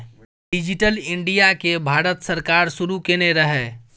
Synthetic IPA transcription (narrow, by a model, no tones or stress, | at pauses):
ɖid͡ʒiʈəliɳɖijakebʱaɾət̪səɾkaɾsuɾukeneɾəɦɛ